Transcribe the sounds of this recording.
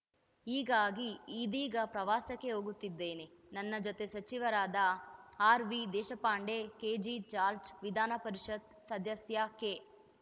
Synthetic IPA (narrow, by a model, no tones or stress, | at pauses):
iːɡaːɡiiːd̪iːɡɐpɾɐʋaːsɐkːeɦoːɡut̪ːid̪ːe̞ːne | nɐnːɐd͡ʒot̪esɐt͡ʃiʋɐɾaːd̪ɐaːɾʋid̪ɛːʃɐpaːɳɖekeːd͡ʒit͡ʃaːɾd͡ʒʋid̪ʱaːnɐpɐɾiʃɐd̪ | sɐd̪ʱɐsjakeː